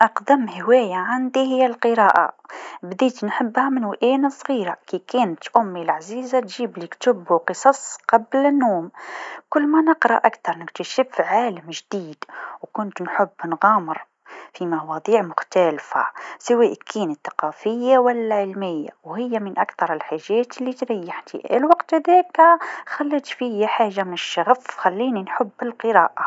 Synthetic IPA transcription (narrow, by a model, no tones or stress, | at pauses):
ʔɑqd̪amhɪwæːjaʕand̪ihɪjːælqɨɾɑːʔa̰bd̪iːt̪nħɪbːhamɪnwʔæːnasˤɣiːɾakikæːnt̪ʔʊmːilʕaziːzat̪ʒiːblikt̪ʊbqɨsˤɑsˤqɑblɪnːoːmkʊlːmænɪqɾˤɑʔʔakt̪ɑɾˤnɪkt̪aʃɪbfʕaːləmʒd̪iːd̪̥wkʊnt̪nħʊbːnɣɑːməɾ | fimɑwɑd̪ˤiːʕmʊxt̪ælfa̰sɪwæʔkʰːiːnəθːḁqɑfɪjːawælːaʕəlmɪjːa̰whɪjːamɪnʔakθɑɾˤəlħaʒːæːt̪əlːit̪ɾɪjːaħt̪ḭʔæ̰lwɑqt̪hæd̪ikxælːit̪fijaħaːʒːamnʃːɑɣəfxælːiːninħʊbːɪlqɨɾɑːʔa